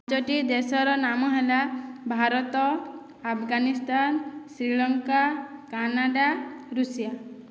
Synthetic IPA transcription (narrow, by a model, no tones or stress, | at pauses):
d͡ʒɔʈid̪esɔɾɔnamɔɦelabʱaɾɔt̪ɔ | apʰɡanist̪ansɾiɭɔŋkakanaɖaɾusija